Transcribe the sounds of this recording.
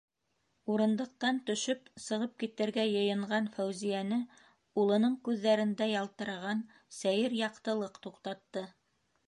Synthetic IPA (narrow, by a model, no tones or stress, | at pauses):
uɾɤ̆nd̪ɤ̆q̚t̪ɑnt̪ɵ̆ʃɵpsɤ̆ʁɤp̚kit̪ɘ̆ɾɡæjɤ̆jɤ̆ɴɢɑnfæwzijænɘ | ulˠɤ̆nɤɴkʉðːæɾɘ̆nd̪æjɑlˠt̪ɤ̆ɾʁɑn | sæjɘɾjɑqt̪ɤ̆lˠɤqt̪uqt̪ɑt̪ːɤ